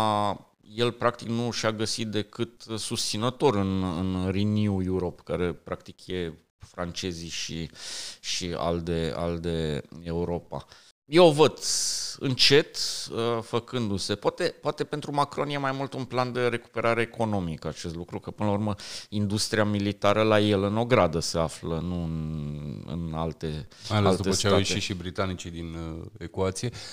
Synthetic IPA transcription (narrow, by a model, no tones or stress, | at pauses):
je̞lpɾak̚t̪iknuʃaɡəsit̪̚d̪e̞kɨt̪sust̪sinət̪o̞ɾɨnɨnrinujuɾo̞pkaɾe̞pɾak̚t̪ikje̞ | fɾant͡ʃe̞ziʃiʃia̰ld̪ea̰ld̪eeuɾo̞pa̰ | jeovəd̪ɨnt͡ʃe̞t̪əfəkɨnd̪use̞poat̪e̞poat̪epe̞nt̪ɾumakɾo̞nje̞majmult̪unpland̪e̞ɾe̞ku̥pe̞ɾʔaɾe̞ːko̞no̞mikat͡ʃe̞st̪lukɾukəpɨnəlaurməind̪ust̪ɾiamilit̪aɾəlajelɨno̞ɡɾad̪əse̞aflənuɨnɨ̰nalt̪e̞majalealtd̪eəst͡ʃeaaeiʃibɾit̪anit͡ʃid̪inekuat̪sije